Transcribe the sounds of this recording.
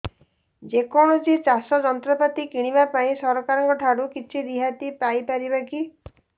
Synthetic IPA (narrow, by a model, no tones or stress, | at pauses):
d͡ʒekɔɽ̃ɔt͡ʃit͡ʃasɔd͡ʒɔnt̪ɾɔpat̪ikiɽ̃iβapaĩsɔɾɔkaɾɔŋkɔʈʰaɽukit͡ʃʰiɾiɦat̪ipajpaɾibaki